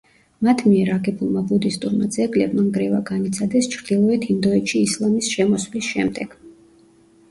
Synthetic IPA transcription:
mat̪ʰmiɛɾaɡɛbulˠmabud̪ist̪ʼuɾma̰d̪zɛɡlɛbmaŋɡɾɛvaɡanit̪sʰad̪ɛst͡ʃʰɾd̪̥ilˠɔɛt̪ʰind̪ɔɛt̪ʃiːslˠamisʃɛmɔswlisʃɛ̰md̪ɛɡ̥

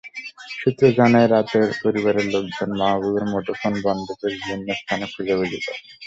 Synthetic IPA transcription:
ʃut̪ːɾod͡ʑanaeɾat̪eɾpoɾiβaɾeɾloɡd͡ʑonmaɦabuleɾmoʈoɾfonbɔnd̪od̪eɾbʱinːost̪ʰanekʰulabelit̪a̰

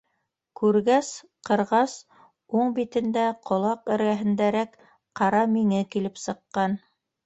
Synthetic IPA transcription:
kʉɾɡæs | qɤ̆ɾʁɑs | uɴbit̪ɘ̆nd̪æqʰŏlˠɑqɘ̆ɾɡæɦɘ̆nd̪æɾæk | qɑɾɑmiŋɘkilɘpsɤ̆qːɑn

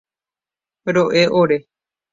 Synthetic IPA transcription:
ɾoʔeʔoɾe

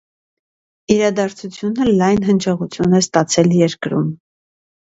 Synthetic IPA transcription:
iɾɑd̪ɑɾt͡sʰut͡sʰjunəlɑjnɦənt͡ʃʰɛʁut͡sʰjunɛst̪ɑt͡sʰɛljɛɾkɾṵm

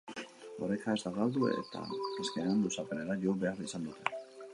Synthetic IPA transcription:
o̞ɾekaezd̪aɣald̪uḛt̪ʰa̰eskenand̪usapeneɾaʎobearisand̪ut̪ʰe̞

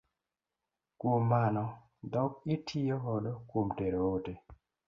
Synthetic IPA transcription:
komːanɔ | dɔkitʰioɦɔdɔkomdeɾoote

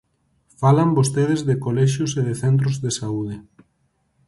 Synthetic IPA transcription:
falambost̪eð̞ezðekolɛʃjoseðeθent̪̬ɾozðesauðe

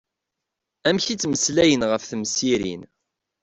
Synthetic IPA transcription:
æmçit͡sːməslæjənʁəfθəmsiɾḭn

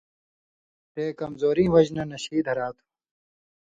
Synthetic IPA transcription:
peːkɐmzoːɾĩːwɐd͡ʑnɐnɐɕiːd̪ʱɐɾaːt̪ʰu̥

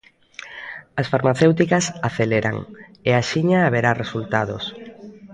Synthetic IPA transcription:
ɐsfaɾmaθewt̪ikɐsaθeleɾa̰ŋeaʃiɲaːβeɾaresult̪aðo̰s

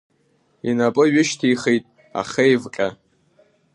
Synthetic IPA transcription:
inapʼɨɥʊʃtʰijχejtʼ | a̰χejvkʲʼa

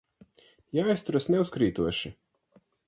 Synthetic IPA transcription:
jajst̪uɾasnɛʊskɾiːt̪uɔʃi

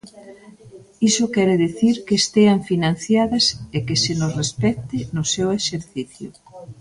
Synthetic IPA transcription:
isʊkɛɾeðeθiɾkeːst̪eaɱfinãn̟θjaðɐsekesenosrespɛt̪ɪnʊsɛweʃeɾθiθjʊ

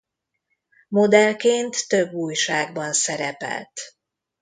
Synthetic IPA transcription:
mo̞d̪ɛlkeːnt̪ːøbuːjʃaːɡbɒnsɛɾɛpɛ̰lt̪

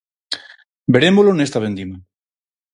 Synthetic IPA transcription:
be̞ɾemolonest̪aβẽnd̪ima

